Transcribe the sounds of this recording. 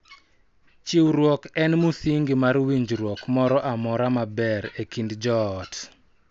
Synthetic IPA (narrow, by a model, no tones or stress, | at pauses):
t͡ʃiwɾwɔkɛnmusiŋɡimarwiɲd͡ʒɾwɔkmɔɾɔʔamɔɾamabɛɾekindd͡ʒɔːt